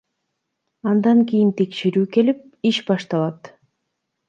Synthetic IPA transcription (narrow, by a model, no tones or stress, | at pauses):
ɑnd̪ɑŋkijint̪ʰe̞kʃeɾyːke̞lip̚iʃbɑʃt̪ɑlˠɑt̪